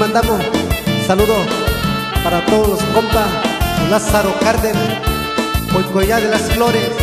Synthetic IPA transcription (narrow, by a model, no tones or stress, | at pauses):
and̪amosalud̪o | paɾat̪od̪oloskompalasaɾokaɾd̪e | pojkojad̪elasfloɾe